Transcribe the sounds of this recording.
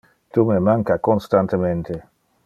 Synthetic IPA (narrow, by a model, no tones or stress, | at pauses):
t̪umemaŋkakonst̪ant̪ement̪e